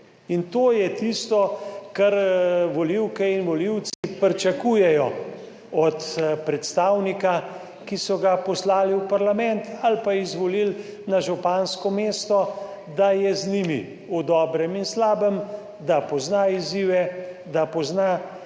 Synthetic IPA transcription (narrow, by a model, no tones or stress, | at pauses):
int̪oːjɛt̪ist̪ɔkaɾʋɔliwkɛinʋɔliw̪sipɾt͡ʃakuːjɛjɔ | ɔt̪pɾɛt̪st̪awnika | kisɔɡapɔslaːliwpaɾlamɛnt̪ʰalpaizʋɔlil | naʒupanskɔmeːst̪ɔ | d̪ajɛznimḭ | ud̪ɔːbɾəminslaːbəm | d̪apɔznaiziːʋɛ | d̪apɔzna